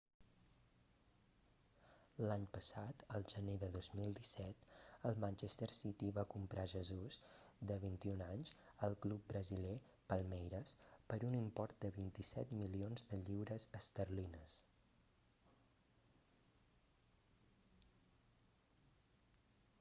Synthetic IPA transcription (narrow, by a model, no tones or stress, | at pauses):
laɲpəsat̪əlˠʒəneðəðozmilˠd̪isɛt̪əlˠmanʲt͡ʃest̪əɾsit̪iβakumpɾʔaʒəzuzd̪əβ̞int̪iunaɲz | əlˠklup̚bɾəzile | pəlˠmɛjɾəspəɾunimpɔɾt̪̚d̪əβint̪isɛt̪milionzðəʎiwɾəzəst̪ərlinəs